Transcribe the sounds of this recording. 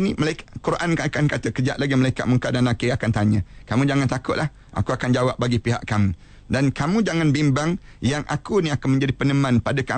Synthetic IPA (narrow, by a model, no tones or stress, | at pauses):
niməlaikakuɾaʔankaakankat̪əkəd͡ʒaʔ̪̚laɡiməlaika̰ʔməŋkadanakəakant̪aɲə̃kamũd͡ʒaŋant̪akʊt̪ʔ̚lʔah | ʔa̰kuakand͡ʒawap̚baɡipiɦa̰ʔkamũ | dankamũd͡ʒaŋanbimbaŋ | jaŋʔa̰kuniakanmə̃ɲd͡ʒadipənəmãnpadaka